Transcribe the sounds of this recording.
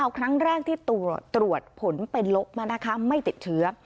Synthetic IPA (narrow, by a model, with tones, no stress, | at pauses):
a˧wkʰɾa˦˥ŋɾɛː˥˩k̚t̪ʰiː˥˩t̪u˨˩t̪ːɾu˨˩ət̪̚pʰo˩˦npe˧nlo˦˥p̚maː˧na˦˥kʰa˦˥ma˥˩jt̪i˨˩t̪̚t͡ɕʰɯ˦˥ɐ